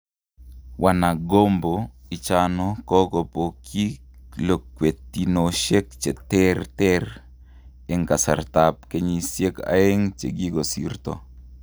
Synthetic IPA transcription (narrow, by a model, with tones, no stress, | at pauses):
wʔana˨ɡo˦mboi˨t͡ʃanɔ˦kɔ˦ko˨pokʰi˦ | lo˨kwe˨t̪inoʃe˦kt͡ʃe˨t̪ɛ˦rt̪ɛr | eŋka˨sa̰˨rt̪ap̚ke˦ɲi˨sje˦ka̰˨e˦ŋt͡ʃe˨ɡi˦ɡo˨sḭrt̪o̰